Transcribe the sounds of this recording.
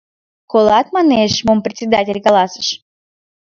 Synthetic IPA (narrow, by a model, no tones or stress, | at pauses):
kolˠɑt̪̚mɑneʃmomprʲet̪ʲsʲed̪atʲelʲkɑlɑsə̥̆ʃ